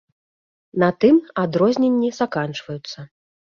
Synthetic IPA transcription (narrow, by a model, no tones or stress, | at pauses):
nɐt̪ɨmad̪ɾɔzʲnʲenʲːisakant͡ʂvɐjut̪sːɐ